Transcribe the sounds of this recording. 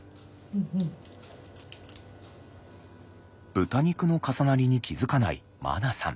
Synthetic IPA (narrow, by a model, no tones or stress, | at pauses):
ɯ̃ | b̥ɯ̟t̪aɲ̟ikɯ̟nokasanaɾʲiɲ̟ikʲizɨkana̰ḭ | ma̰nasã̰m